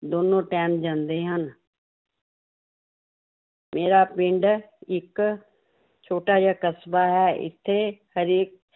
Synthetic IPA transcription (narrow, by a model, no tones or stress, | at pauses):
d̪oːnõːʈɛːnd͡ʒãːnd̪eːɦən | meːɾaːpɪ̃ɳɖɪk | t͡ʃʰoːʈaːd͡ʒaːkəsbaːɦɛːʔɪ̰t̪ʰːeːhəɾɪːk̚